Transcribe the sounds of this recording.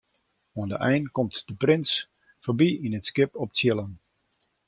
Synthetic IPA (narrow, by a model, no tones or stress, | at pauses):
oəndəʔɛjnkɔmtdəprɪns | fobiinətskɪpɔp̚tjɪlən